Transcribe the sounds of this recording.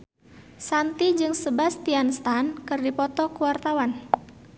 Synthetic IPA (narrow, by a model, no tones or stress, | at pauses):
sant̪id͡ʒɨŋsəbast̪ianst̪ankɨrdipɔt̪ɔkuwart̪awan